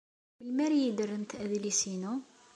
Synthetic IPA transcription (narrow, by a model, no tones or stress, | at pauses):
bəlmæɾijid̪ərːənt̪ʔðilisinu